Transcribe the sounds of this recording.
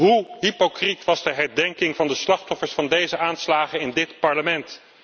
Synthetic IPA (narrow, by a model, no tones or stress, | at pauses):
ɦuɦipokritʋɑzdəɦɛɹdɛŋkɪŋvɑndəslɑχtɔfəɹsfɑndejzəaːnslaːχəɪndɪtpɑɹləmɛnt